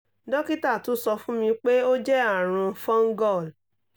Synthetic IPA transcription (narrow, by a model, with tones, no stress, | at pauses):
dɔ˦ki˦ta˦˨tu˨˦sɔ˧fũ˦mĩ˧k͡pe˦o˦d͡ʒɛ˦a˦˨ɾ̃ũ˧fɔ̃˦ŋ̩˦ɡɔ˦˨l